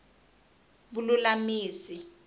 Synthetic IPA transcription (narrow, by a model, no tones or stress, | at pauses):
bululamiːsi